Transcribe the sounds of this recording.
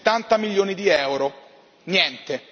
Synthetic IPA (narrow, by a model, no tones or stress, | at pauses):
t̪ːant̪amilːjoːnid̪iɛwɾo | njɛnt̪e